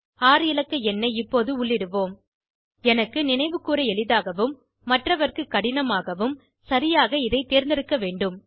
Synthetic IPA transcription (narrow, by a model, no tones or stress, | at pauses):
aːɾɪlɐkːɐɛnːɐɪpːoːðɯʊɭːɪɽɯʋoːm | ɛnɐkːɯnɪnɐɪʋɯkːuːɾɐɛɭɪðaːɣɐʋɯmː | ɐʈrɐʋɐrkɯkːɐɽɪnɐmaːɣɐʋɯm | sɐɾɪjaːɣɐɪðɐɪt̪ːeːɾnd̪ɪɾɯkːɐʋeːɳɖɯm